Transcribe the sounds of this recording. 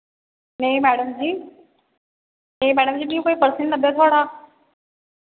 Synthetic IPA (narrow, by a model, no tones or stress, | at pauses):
neĩmɛːɽəmd͡ʑiː | neɦĩmɛːɽəmd͡ʑiːbĩjũkoːipəɾsənnəbjet̪ʰoːɽaː